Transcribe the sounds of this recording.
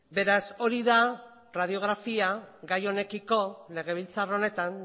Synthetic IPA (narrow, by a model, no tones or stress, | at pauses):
be̞ɾaso̞ɾiða | raðio̞ɣ̞ɾafiaɣajo̞ne̞kiko̞le̞ɣ̞e̞β̞ilt͡sarone̞t̪an